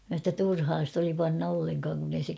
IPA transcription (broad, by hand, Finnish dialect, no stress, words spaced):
mæ sɑ tːɑ turhɑː st oli pɑnːɑ olːeŋkɑːŋ kun ei se